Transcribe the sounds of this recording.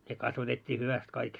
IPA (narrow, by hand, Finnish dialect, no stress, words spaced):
ne kɑsʋɑtetʲːiː hyʋæst kɑik